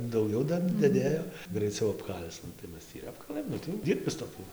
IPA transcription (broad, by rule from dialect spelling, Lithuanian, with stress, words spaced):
dɐʊˈɡʲɛʊ ˈdɐr dɐˈdʲeːjoː ɡrɐɪˈt͡sɐʊ ɐpˈkɐlʲt͡s nʊ tɐɪ ˈmʲɛs tʲiː ɪr ˈɑːpkɐlˠɘm ˈnʊ tɐɪ ˈdʲiːrʲbʲɪs toːˈkʲʊ